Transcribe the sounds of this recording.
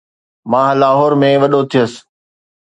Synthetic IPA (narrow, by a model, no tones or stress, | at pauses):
mãːlaːɦɔːɾmẽʋɐɗot̪ʰijəsɪ̥̆